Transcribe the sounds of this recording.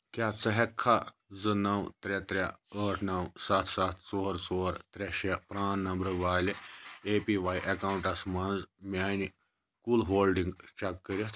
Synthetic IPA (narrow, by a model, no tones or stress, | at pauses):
kat͡sɐɦɛkʰːa | d͡zɨnɐwt̪ɾɛt̪ɾʲaəːʈʰnɐwsɐt̪ʰsat̪ʰt͡soːɾt͡soːɾt̪ɾʲeʃepɾaːnnːɐmbɾɐʋaːleepiʋaːjʔɐkawɳʈɐsmand͡zmʲaːni | kulɦoːlɖiŋɡt͡ʃɐkːəɾʲit̪ʰ